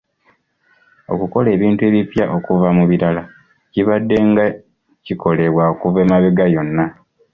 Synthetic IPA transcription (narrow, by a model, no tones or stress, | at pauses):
o̞̰kuko̞le̞ːβiːntue̞ːβipjaʔo̞kuvamuβiɾala | ciβadːe̞ŋɡa | ciko̞le̞βwaokuveːmaβeɡajo̞nːa